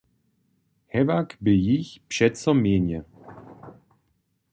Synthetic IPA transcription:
hɛvakbɪjiçpʂɛtsɔmjeːɲɛ

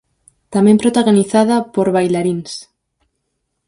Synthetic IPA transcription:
t̪amẽmpɾot̪aɣoniθaðapoɾβajlaɾins

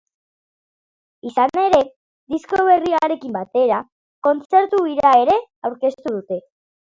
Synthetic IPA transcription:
isane̞ɾe̞ | d̪isko̞β̞e̞riaɾe̞kimbat̪e̞ɾa | ko̞nt͡se̞ɾt̪uiɾaeɾe̞awɾke̞st̪uð̞ut̪e̞

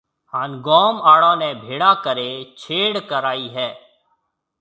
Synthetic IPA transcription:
haːnɡɔːmaːɽãːnɛːbʱeːɽaːkəɾeːt͡ʃʰeːɽkəɾaːiːɦɛː

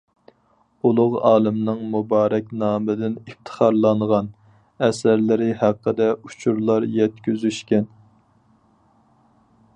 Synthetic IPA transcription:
ulˠʊʁɑːlˠɪmnɨŋmubɑːɾɛk̚ʲnɑːmɨd̪ɪnift̪ʰə̥χɑɾlˠɑɴʁɑn | ɛsæɾlɪɾɪhæqːəd̪ɛu̥t͡ʃʰuɾlˠɑɾjɛt̪kʲyzyʃkʲɛn

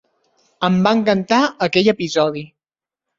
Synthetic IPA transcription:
əmbaŋkənt̪aəkɛʎəpizɔði

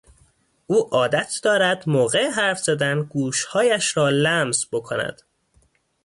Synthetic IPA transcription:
ʔuːʔɒːd̪æt̪ʰd̪ɒːɾæd̪moːɣe̞eɦæɾfz̥æd̪ænɡuːʃhɒːjæʃɾɒːlæmzbo̞kʰonæ̰d̪̥

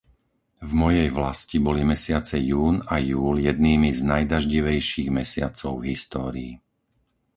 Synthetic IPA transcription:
vmɔjɛjʋlascibɔlimɛsɪat͡sɛjuːnajuːljɛd̪niːmiznajd̪aʒɟiʋɛjʃiːɣmɛsɪat͡sɔʊɦist̪ɔːɾiː

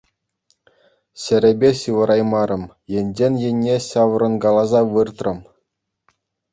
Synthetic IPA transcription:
ɕɘ̆ɾʲĕbʲeɕɯʋɤ̆ɾʔɑjmɑɾɤ̆m | jĕnʲd͡ʑenʲjĕnʲːeɕɑʋ̆ɾɤ̆nɡɑlˠɑzɑʋɯrt̪rɤ̆m

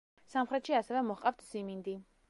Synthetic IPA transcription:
samχɾɛt̪ʃiasɛvɛmɔχqʼaft̪ʰz̥imind̪i

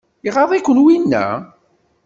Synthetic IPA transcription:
iʁɑðˤikʷːənwinːæ̰

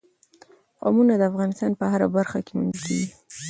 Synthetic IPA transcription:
qo̰munad̪əafɣɑnɪst̪ɑnpəɦaɾabaɾxakemund̪ikʰḛɡi

